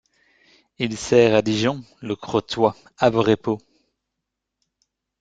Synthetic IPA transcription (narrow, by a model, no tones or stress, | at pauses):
ilsɛːʁad̪iʒɔ̃ | ləkχot̪wa | avʁepo